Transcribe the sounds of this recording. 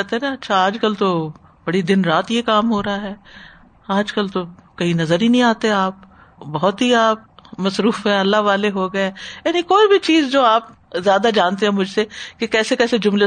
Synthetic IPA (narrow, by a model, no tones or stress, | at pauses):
ɛt̪enaɐtːʃʰaaːd͡ʒkəlt̪o | b̥ɐɽid̪ɪnɾaːt̪jekaːmɦoːɾɐaɦɛː | aːd͡ʒkəlt̪okɐinɐzəɾɦinɐɦĩaːt̪eaːp̚ | bɐɦɔt̪ɦiaːp̚mɐsɾuːfɦɛ̃ɐlːaɦʋaːleɦoɡɐeɛ̃jaːnĩkoːibʱit͡ʃiːzd͡ʒoːaːp | zjaːd̪ad͡ʒaːnt̪eɦɛ̃mʊd͡ʒʱsekekɛːsekɛːsed͡ʒʊmle